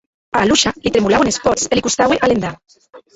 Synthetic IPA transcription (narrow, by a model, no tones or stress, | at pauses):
aːluʃalit̪ɾemulawenespɔselikust̪aweʔalend̪a